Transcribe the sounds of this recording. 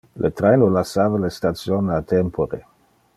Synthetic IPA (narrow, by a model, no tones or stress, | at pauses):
lʔet̪ɾejnolasaːvalestat̪sjonat̪ɛmpʰoɾe